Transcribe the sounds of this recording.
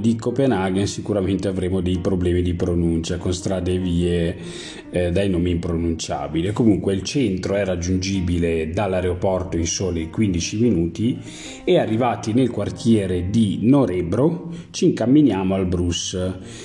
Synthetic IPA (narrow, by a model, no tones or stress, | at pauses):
d̪ikopenaɡensikuɾament̪eavɾeːmod̪ejpɾoblɛːmid̪ipɾonunt͡ʃakonst̪ɾaːd̪eviːe | d̪ajnoːmiːmpɾonunt͡ʃa̰ːbilikomuŋkweilt͡ʃɛnt̪ɾoɛrad͡ʒːund͡ʒiːbiled̪alːaɾeopɔrt̪oinsoːlekwind̪it͡ʃiminuːt̪i | earːivaːt̪inelkwart̪jɛːɾed̪inoɾɛbɾot͡ʃiŋkamːinjaːmoalbɾus